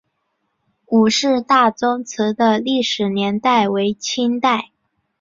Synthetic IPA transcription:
u˨˩ʂɻ̩˥˧t̪a˥˩t͡sʊ˥ŋt͡s̩ʰ˧˥d̪ə˧li˥˩ʂɻ̩˨˩njɛ˧˥nt̪a˥˩ɪwe˧˥ɪt͡ɕʰi˥nt̪a˥˩ɪ

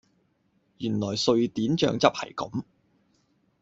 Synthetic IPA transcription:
jyː˨˩nlɔː˨˩jsɵ˧ɥt̪iː˨˥nt͡ʃœ̰ː˧ŋt͡sɐ˥p̚hɐ̰˨˩jkɐ˨˥m

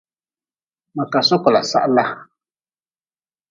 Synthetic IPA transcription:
ma˨ka˨sɔ˦kɔ˨la˨sa̰˦ʔla˦

